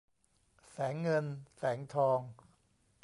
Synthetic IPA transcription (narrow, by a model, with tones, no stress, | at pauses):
sɛː˩˦ŋːɤ˧nsɛː˩˦ŋt̪ʰɔː˧ŋ